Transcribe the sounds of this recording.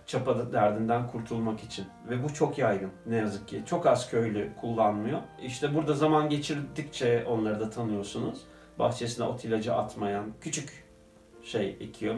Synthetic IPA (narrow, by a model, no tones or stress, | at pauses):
t͡ʃʰapad̪ɯd̪æɾd̪ind̪ænkʰuɾt̪ʰulˠmakit͡ʃʰinvɛbut͡ʃʰo̞kjajɡɯnnːɛjazɯk̚cʰit͡ʃʰo̞kazcʰø̞jlʲykʰulˠːanmɯjo̞iʃt̪ʰɛbuɾd̪azamanɟe̞t͡ʃʰiɾd̪ic̚t͡ʃʰɛo̞nlˠaɾɯd̪at̪ʰanɯjo̞sunuz̥ | ba̰xt͡ʃʰe̞sinɛ̰ʔo̞t̪ʰilʲad͡ʒa̰ʔat̪majancʰyt͡ʃʰyc | ʃe̞jḛcʰijo̞